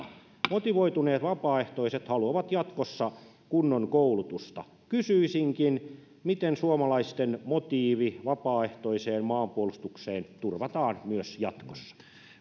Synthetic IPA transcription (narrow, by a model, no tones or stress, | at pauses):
mot̪iʋoit̪uneːt̪ʋɑpɑːeht̪oiset̪hɑluɑʋɑt̪jɑt̪kosːɑ | kunːoŋkoulut̪ust̪ɑ | kysyisiŋkin | mit̪ensuomɑlɑist̪enmot̪iːʋiʋɑpɑːeht̪oiseːnmɑːmpuolust̪ukseːnt̪urʋɑt̪ɑːnmyøsjɑt̪kosːɑ̥